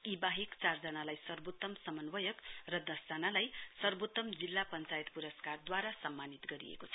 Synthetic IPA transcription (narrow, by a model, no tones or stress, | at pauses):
ibaɦikt͡sard͡zʌnalajsʌrbot̪ːʌmsʌmʌnwʌjʌkrʌd̪ʌstanalajsʌrbot̪ːʌmd͡zilːapʌnt͡sajt̪puɾʌskard̪waɾasʌmːanit̪ɡʌɾḭjḛkot͡sʰʌ̥